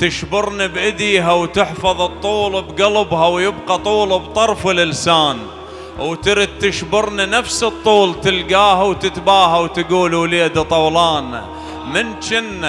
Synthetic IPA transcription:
t̪ɪʃbɪɾnibʔɪd̪iːɦawt̪ɪħfɑðˤɨt̪ˤːuːlbɡalbɦawjɪbqɑt̪ˤuːlbt̪ˤɑɾˤfɪlʔɪlsaːn | wt̪ɪɾid̪̚t̪ːɪʃbɪɾninafsɨt̪ˤːuːlt̪ɪlɡaːɦawt̪ɪt̪baːɦawt̪ɡuːluliːad̪at̪ˤɑwlɑːn | mɪnt͡ʃɪnːa

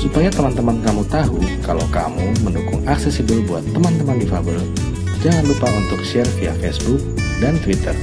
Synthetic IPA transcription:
supajat̪əmant̪əmankamut̪aɦukala̰wka̰muməndukʊŋaksɛsibəlbuat̪ːəmant̪əmandifabəl | d͡ʒaŋanlupaunt̪ʊkʃɛrfia̰fɛsbuk̚ | dant̪wit̪ər

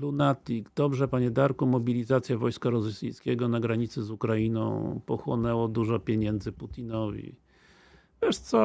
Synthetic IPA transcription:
lunat̪iɡd̪ɔbʐɛpaɲɛd̪aɾkumɔbʲilʲizat̪sʲjavɔjskaɾɔzsʲijskʲɛɡɔnaɡɾaɲit̪sɘzukɾainɔ̰̃w̃pɔxwɔnɛwɔd̪uʐɔpʲjeɲɛnd̪zɘput̪ʲinɔvʲḭ | vʲjɛʂt̪sɔ

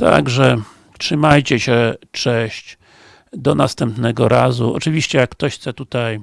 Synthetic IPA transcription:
t̪a̰ɡʐɛ | tʂɘmajt͡ɕɛɕɛt͡ʂɛ̃ɕt͡ɕ | d̪ɔnast̪ɛmpnɛɡɔɾazuɔ̰t͡ʂɘvʲiɕt͡ɕɛjakkːt̪ɔɕxt̪sɛt̪ut̪aj

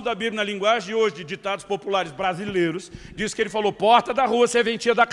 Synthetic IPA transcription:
ʊd̪ɐbiblʲɐnɐlĩŋɡwaʒẽoʒɪd͡ʒɪd͡ʒit̪ad̪ʊspopulaɾɪzbɾazilejɾʊs | d͡ʒiskɪelɪfalopɔɾt̪ɐd̪ɐɦuɐsɛvẽnt͡ʃiɐd̪ɐk

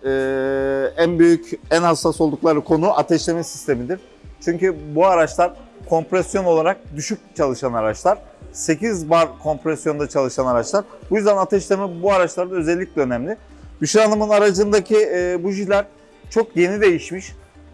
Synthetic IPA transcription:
ɛː | ænbyjycænhasːaso̞lˠd̪uklˠaɾɯkʰo̞nuʔat̪ʰɛʃlʲe̞mɛsi̥st̪ʰe̞mid̪iɾ̥ | t͡ʃʰyɲcybuaɾat͡ʃlˠaɾkʰo̞mpɾɛsjo̞no̞lˠaɾak̚d̪yʃyc̚t͡ʃʰalˠɯʃanaɾat͡ʃlˠaɾ̥ | se̞cizbaɾkʰo̞mpɾɛsjo̞nd̪at͡ʃʰalˠɯʃanaɾat͡ʃlˠaɾbujyzd̪ænat̪ʰɛʃlʲemɛbuaɾat͡ʃlˠaɾd̪aø̞zɛlʲːic̚ʲlʲɛønɛmlʲɪbyʃiɾanˠamɯnaɾad͡ʒɯnd̪acʰibuʒilʲæɾ | t͡ʃʰo̞kje̞nid̪e̞jiʃmiʃ

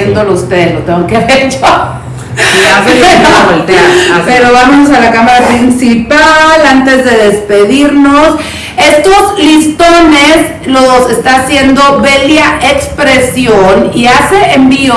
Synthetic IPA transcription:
end̪oloust̪eðelot̪eŋɡoŋkeβeɾt͡ʃo | asβoelt̪eaape̞ɾo̞βamonos̬alakamaɾapɾinsipalant̪e̞zðe̞ðespe̞ðiɾnos | e̞st̪o̞zlist̪o̞nes | lose̞st̪aːsje̞nd̪o̞βeljaʔekspɾe̞sjoniase̞embio

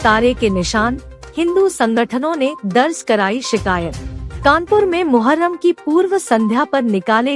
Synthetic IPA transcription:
t̪aːɾekenɪʃaːnhɪ̃nd̪usɐ̃ŋɡəʈʰənõned̪ɐɾskɐɾaːiʃɪkaːjət̪kaːnpʊɾmẽmʊɦəɾːəmkipuːɾʋəsɐ̃nd̪ʱjapɐɾnɪkaːle

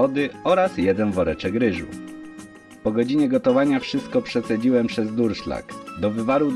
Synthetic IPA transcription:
ɔd̪ɘɔɾasjɛd̪ɛnvɔɾɛt͡ʂɛkɾɘʐṵ | pɔɡɔd͡ʑiɲɛɡɔt̪ɔvaɲafʂɘst̪̚kɔpʂɛt̪sɛd͡ʑiwɛmpʂɛzd̪uɾʂla̰kd̪ɔvɘvaɾuwd̪

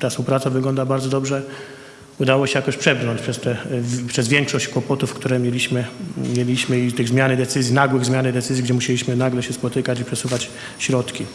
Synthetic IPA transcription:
t̪afspupɾat̪savɘɡlɔnd̪abaɾd̪zɔd̪ɔbʐɛ | ud̪awɔɕɛjakɔɕpʂɛbɾnɔɲt͡ɕpʂɛst̪ɛpʂɛzvʲjɛŋkʂɔɕt͡ɕkwɔpɔt̪ufkt̪uɾɛmʲjɛlʲiɕmɘmʲjɛlʲiɕmɘit̪ɘɣzmʲjanɘd̪ɛt̪sɘzʲjinaɡwɘɣzmʲjanɘd̪ɛt̪sɘzʲjiɡd͡ʑɛmuɕɛlʲiɕmɘnaɡlɛɕɛspɔt̪ɘkat͡ɕipʂɛsuvat͡ɕ | ɕɾɔt̪kʲi

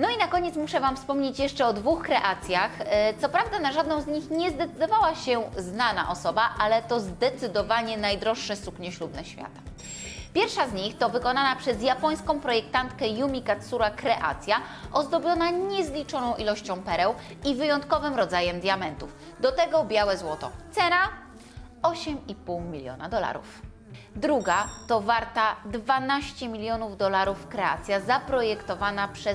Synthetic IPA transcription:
nɔinakɔɲɛt̪smuʂɛvamfspɔmɲet͡ɕjɛʂt͡ʂɛɔd̪vuxkɾɛʔat̪sʲjaxt̪ɔpɾavd̪anaʐad̪nɔ̃w̃zɲixɲɛzd̪ɛt̪sɘd̪ɔvawaɕɛznana̰ʔɔsɔbaʔalɛt̪ɔzd̪ɛt̪sɘd̪ɔvaɲɛnajd̪ɾɔʂːɛsukɲɛɕlubnɛɕfʲja̰t̪ḁ | pʲjɛɾfʂazɲixt̪ɔvɘkɔnanapʂɛzjapɔj̃skɔ̃w̃pɾɔjɛkt̪ant̪kɛjumʲikat̪suɾakɾɛʔa̰t̪sʲjaʔɔzd̪ɔbʲjɔnaɲɛzlʲit͡ʂɔnɔ̃w̃ʔilɔɕt͡ɕɔ̃w̃pɛɾɛwivɘjɔnt̪kɔvɘmɾɔd̪zajɛmd̪ʲjamɛnt̪uf | d̪ɔt̪ɛɡɔbʲjawɛzwɔt̪ɔ̰t̪sɛna | ɔɕɛmipuwmʲilʲjɔ̰na̰d̪ɔla̰ɾṵf | d̪ɾuɡat̪ɔvaɾt̪ad̪vanaɕt͡ɕɛmʲilʲjɔnuvd̪ɔlaɾufkɾɛa̰t̪sʲjazapɾɔjɛkt̪ɔvanapʂɛ

